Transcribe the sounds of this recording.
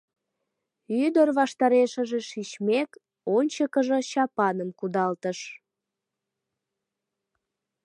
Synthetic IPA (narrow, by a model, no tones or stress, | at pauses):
yd̪ərβɑʃt̪ɑɾeʃəʒeʃit͡ɕmek | onʲt͡ɕəkəʒət͡ɕɑpɑnəmkud̪ɑlt̪əʃ